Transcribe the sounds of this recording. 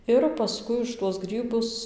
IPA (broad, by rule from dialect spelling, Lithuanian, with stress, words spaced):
ɪr pɐˈskʊɪ ʊʃ tuɔs ˈɡrʲiːbʊs